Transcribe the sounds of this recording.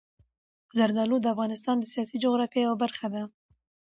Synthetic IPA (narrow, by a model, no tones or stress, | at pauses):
zaɾd̪ɑlod̪əafɣɑnɪst̪ɑnd̪əsijɑsid͡ʒoɣɾɑfjejawabaɾxad̪a